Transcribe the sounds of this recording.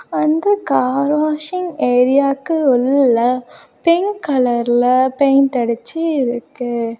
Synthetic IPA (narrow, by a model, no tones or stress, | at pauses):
ɐnd̪ɐkaːɾʋaːʂɪŋeːɾɪjaːkːɯɔlːlːɐ | pɛŋkɐlɐɾɪlɐpɛjnt̪ɐɽɯt͡ʃːɯɪɾɯkːɯ